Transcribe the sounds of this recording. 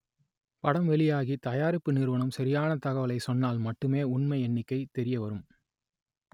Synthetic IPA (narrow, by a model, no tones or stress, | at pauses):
pɐɽɐmʋɛɭɪjaːɣit̪ɐjaːɾɪpːɯnɪɾʋɐɳɐmsɐɾɪjaːnɐt̪ɐɣɐʋɐlɐɪsɔnːaːlmɐʈːɯmeːʊɳmɐɪɛnːɪkːɐɪt̪ɛɾɪjɐʋɐɾɯm